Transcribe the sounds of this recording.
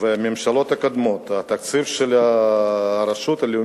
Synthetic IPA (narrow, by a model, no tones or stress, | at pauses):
vememʃɐlo̞t̪akad̪mot̪at̪ɐk̪̚t͡sifʃelaː | ɾɐʃut̪aliu